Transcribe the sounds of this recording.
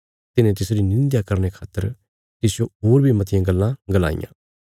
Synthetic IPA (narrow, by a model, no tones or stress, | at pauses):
t̪ɪnẽt̪̬ɪsɾinɪ̃nd̪jakɐɾnekʰaːt̪ːəɾ | t̪ɪsɪjõɦoːɾbʱimɐt̪ʰɪjãɡəlːãɡəla̰ːɪ̰jã̰ː